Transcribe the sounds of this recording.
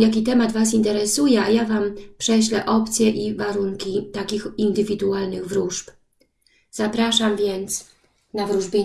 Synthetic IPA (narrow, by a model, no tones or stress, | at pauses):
jak̬ʲit̪ɛmad̪vas̬int̪ɛɾɛsujɛajavampʂɛɕlɛʔɔpt̪sʲjɛʔivaɾuŋkʲit̪akʲixind̪ɘvʲid̪ualnɘɣvɾuʐp | z̥apɾaʂamvʲjɛnt̪s | navɾuʐbʲje